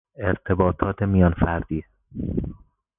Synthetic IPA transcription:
e̞ɾt̪ʰe̞bɒːt̪ʰɒːt̪ʰemijɒːnfæɾd̪̥iː

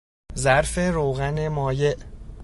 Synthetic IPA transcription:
zæɾfe̞ɾoːɣæne̞mɒːje̞ʔ

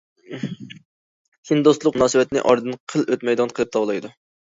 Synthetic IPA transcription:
hʲind̪ost̪lˠʊqnɑːsɨwɛt̪nɪ̰ʔɑɾd̪ɨnqʰəløt̪mɛjd̪ɑnqʰəlˠɨp̚t̪ʰɑwlˠɑjd̪u

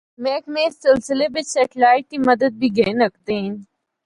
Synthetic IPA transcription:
mɛːkmẽːsɪlsɪlebɪt͡ʃsɛʈɪlaːɪʈːimɐd̪əd̪̚bʱiɡeːnək̚d̪eːn

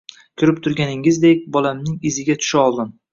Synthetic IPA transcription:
kʲʰʊɾɪp̚t̪ʰʊɾɡʲanɪŋɪzd̪ekʲbɒlamnɪŋɪzɪɡʲat̪ʰʊ̥ʃaɒlˠd̪ɪn

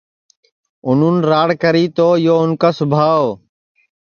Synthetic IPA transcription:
ʊn̤uːnɾaːɽkəɾiːt̪oːjoːʊnkaːsʊbʱaːoː

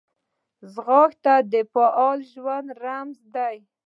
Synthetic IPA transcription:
zɣɑxt̪ad̪əfaʔɑlʒwand̪ɾamzd̪aj

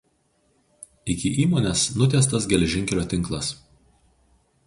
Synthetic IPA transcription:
ɪkʲɪʔiːmoːnʲɛsnʊt̪ʲɛˑst̪ɐsɡʲɛlʲɛʒʲɪŋʲkʲɛlʲoːt̪ʲɪŋˑklˠɐs

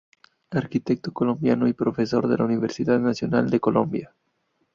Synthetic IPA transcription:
aɾkit̪ek̚t̪okolo̞mbjano̞ipɾo̞fe̞so̞ɾðelauniβ̞eɾsiðaðnasjonald̪eko̞lo̰mbja

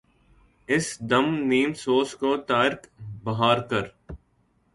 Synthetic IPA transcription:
ɪsd̪ɐmniːmsoːskot̪aːɪɾkbɐɦaːɾkəɾ

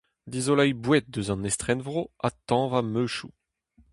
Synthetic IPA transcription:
d̪izolajbwɛt̪̚d̪øzɑ̃nɛst̪χɛnvʁoat̪ɑ̃vamøʃu

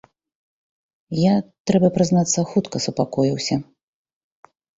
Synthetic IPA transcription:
jat̪ɾɛbɐpɾɨznat̪sːɐxut̪kɐsupakɔjiwsʲɐ

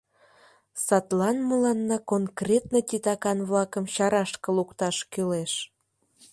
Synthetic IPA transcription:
sɑt̪lɑnməlɑnːɑkonkrʲet̪nət̪ʲit̪ɑkɑnβlɑkəmɕɑɾɑʃkə̆lukt̪ɑʃkyleʃ

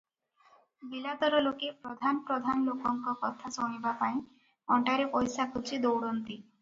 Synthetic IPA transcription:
bilat̪ɔɾɔlokepɾɔd̪ʱanɔpɾɔd̪ʱanɔlokɔŋkɔkɔt̪ʰasɔɽ̃ibapaĩ | ɔɳʈaɾepɔjsakʰut͡ʃʰid̪owɽɔnt̪i

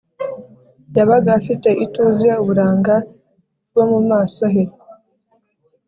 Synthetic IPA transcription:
jaβaɡaːfite̞ʔituːzieuβuɾaːŋɡa | wo̞mumaːso̞ɦeɾe

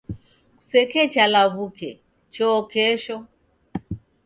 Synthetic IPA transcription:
ku̥sɛkɛt͡ʃalaβukɛ | t͡ʃɔkɛʃɔ

